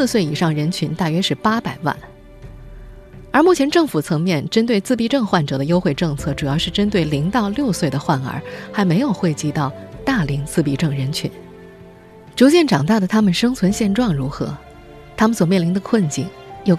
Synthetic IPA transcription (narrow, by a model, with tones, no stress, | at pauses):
swe˥˩ɪi˨˩ʂɑ˥˩ŋɻə˧˥nt͡ɕʰy˧˥nt̪a˥˩ɥɛ˥ʂɻ̩˥˩pa˥pa˨˩ɪwa̰˥˩n | ə˞˧˥mu˥˩t͡ɕʰjɛ˧˥nʈ͡ʂɤ˥˩ŋfu˨˩t͡sʰɤ˧˥ŋmjɛ˥˩nʈ͡ʂə˥nt̪̬we˥˧ɪt͡sɹ̩˥˩pi˥˧ʈ͡ʂɤ˥˧ŋxwa˥˩nʈ͡ʂɤ˨˩d̪ə˦jo˥ʊxwe˥˧ɪʈ͡ʂɤ˥˧ŋt͡sʰɤ˥˩ʈ͡ʂu˨˩jɑ˥˧ʊʂɻ̩˥˧ʈ͡ʂə˥nt̪we˥˩ɪli˧˥ŋt̪ɑ˥˧ʊljo˥˧ʊswe˥˩ɪd̪ə˩xwa˥˩nə̰˞˧˥xa˧˥ɪme˧˥ɪjo˨˩ʊxwe˥˧ɪt͡ɕi˧˥t̪ɑ˥˧ʊt̪a˥˩li˧˥ŋt͡sɹ̩˥˩pi˥˩ʈ͡ʂɤ˥˩ŋɻə˧˥nt͡ɕʰy̰˧˥n | ʈ͡ʂu˧˥t͡ɕjɛ˥˩nʈ͡ʂɑ˨˩ŋt̪a˥˩d̪ə˩t̪ʰa˥mə˨nʂɤ˥ŋt͡sʰwə˧˥nɕjɛ˥˧nʈ͡ʂwɑ˥˩ŋɻu˧˥xɤ̰˧˥ | t̪ʰa˥mə˨nswɔ˨˩mjɛ˥˩nli˧˥d̪ə˧kʰwə˥˧nt͡ɕi˥˩ŋ | jo˥˩ʊ